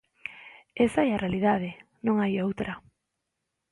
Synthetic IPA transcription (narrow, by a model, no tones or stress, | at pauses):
esaɛarealiðað̞e | nõŋajowt̪ɾɐ